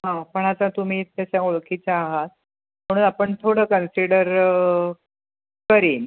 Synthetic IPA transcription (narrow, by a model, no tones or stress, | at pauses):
ɦãpəɳ̃at͡sat̪um̤iːt̪ːjaɕaoɭkʰit͡saːɦat̪̚ | m̤əɽ̃uːnapəɳt̪ʰoɽəːkənsiɽəɾ | kəɾiːn